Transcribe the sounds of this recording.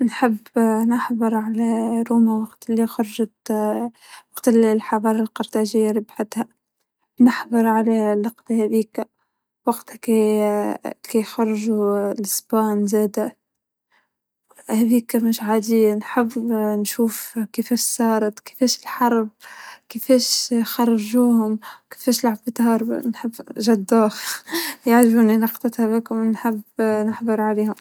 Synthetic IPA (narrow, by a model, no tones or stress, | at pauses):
nħɪbːnɑħðˤɨɾˤʕalaɾuːmawɑqt̪ɪlːixɑɾˤɑʒɑt̪ | wɑqt̪ɪllħɑɾɑːɾˤɑlqɑɾˤt̪aʒɪjːaɾˤɪbħat̪ha | nɪħðˤɨɾˤʕalalɑqd̪hæðiːka | wɑɡt̪ki | kixɑɾˤʒulɪsbaːnzæːd̪a | hæðiːkamɪʃʕaːd̪inħɪbnʃuːfkefeːʃsɑːɾˤɑt̪kɪ̥feːʃɪlħɑɾˤb̚kɪfeːʃxɑrˤːɑʒuːhʊmke̥feːʃlaʕabbɪt̪hɑːɾˤb̰nħɪbːʒad̪ːaːxjaʕʒbuːninɑqt̪ˤɑt̪habɪkʊmnħɪbnɪħbɪɾʕaleːhʊm